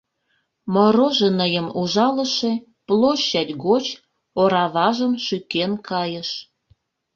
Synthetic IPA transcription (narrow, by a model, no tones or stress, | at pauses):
moɾoʒenəjəmuʒɑlə̆ʃe | ploɕːɑt̪ʲɡot͡ɕ | oɾɑβɑʒəmʃykenkɑjəʃ